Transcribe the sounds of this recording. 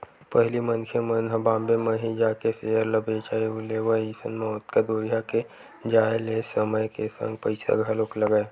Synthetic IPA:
pəɦlimənkʰemənɦəbãːmbemẽɦid͡ʒaːkesejəɾləbʱeːt͡ʃaːiʊleʋəisə̰nmẽʊt̪kad̪oːɾijake | d͡ʒaːelesəməjkesə̰̃ŋɡ̚pəɪsa̰ɡʱaloːkləɡəe

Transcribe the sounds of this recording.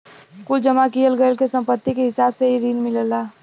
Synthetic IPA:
kʊld͡ʒəmakijəlɡəlkesə̃mpət̪ːikeɦɪsaːbseɦiɾiːnmɪləlaː

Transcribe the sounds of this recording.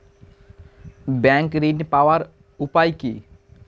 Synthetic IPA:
bɛ̃ːŋkɾinpaʋaɾ | ʊpajkḭː

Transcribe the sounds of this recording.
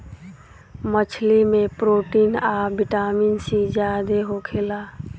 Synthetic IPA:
mət͡ʃʰlimepɾoʈinabiʈaminsid͡ʒjad̪eɦokʰela

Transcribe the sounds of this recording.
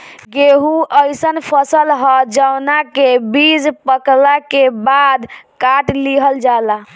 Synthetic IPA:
ɡeɦũʔəjsənpʰəsəlɦɔd͡ʒawnakebid͡ʒpəklakebad̪kaʈliɦəld͡ʒala

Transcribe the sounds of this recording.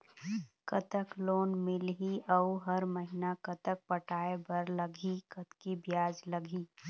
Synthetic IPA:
kɐt̪əkloːnmɪlɦiɐʊɦɐɾmɐɦɪnakɐt̪ək̚pɐʈʰaːebɐɾlɐɡʱikət̪kibjaːd͡ʒləɡʱiː

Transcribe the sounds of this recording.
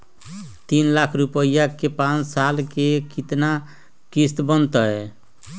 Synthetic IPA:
t̪inlakʰɾupəjakepãt͡ʃsalkekit̪na | kist̪bənt̪əe

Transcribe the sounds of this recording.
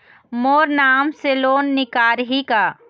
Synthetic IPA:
moːɾnaːmseloːnːɪkaːɾɦikaː

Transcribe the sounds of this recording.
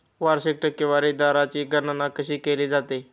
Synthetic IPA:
ʋaɾɕik̚ʈəkjəʋaɾid̪aɾat͡ɕiːɡʱənanakəɕiːkeliːd͡zat̪e

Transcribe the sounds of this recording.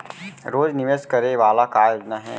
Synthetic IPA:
ɾoːd͡ʒnɪʋeskɐɾeʋaːlakaːjod͡ʒnaɦɛː

